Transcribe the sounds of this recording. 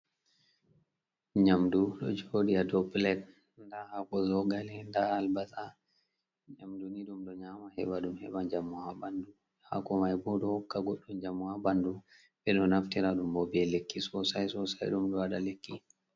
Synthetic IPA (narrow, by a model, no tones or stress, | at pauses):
ɲamduɗɔ̰d͡ʒodiadɔblɛt | ndahakɔzɔɡalɛndaːlbasa | ɲamduniɗumɗɔɲamahɛ̰ɓaɗumhɛ̰ɓand͡ʒamːuhabandu | ha̰kɔmajbɔɗɔhɔkːaɡɔɗːɔnd͡ʒamːuabandu | ɓɛɗɔnaftiɾaɗumbɔbɛlekːisɔsajsɔsa̰jɗumɗɔwaɗalekːi